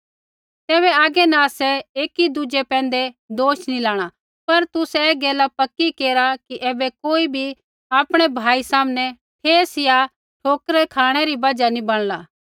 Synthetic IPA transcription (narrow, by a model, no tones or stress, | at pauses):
t̪ɛːβɛaːɡɛnãsɛeːkid̪ʊd͡ʒɛpɛ̃ːn̆d̪ɛd̪oːʃnilaːɽ̃a | pɐɾt̪ʊsɛːɡɛːlapɐkːikeːɾakiʔɛːbɛkoːibʱi | aːpɽ̃ɛbʱaːisaːmnɛ | pʰeːsɪja | ʈʰoːkɾɛkʰaːɽ̃ɛɾibɐd͡ʒanĩbɐɽ̃laː